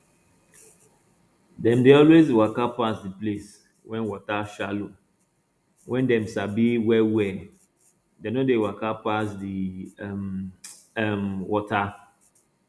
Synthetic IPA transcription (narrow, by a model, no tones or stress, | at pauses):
dɛ̃mdeɔlwezwakapasdiples | wɛ̃nwɔtaʃalo | wʔɛ̃ndɛ̃msabiwɛwɛ | denodewakapasdim | ɛmwɔta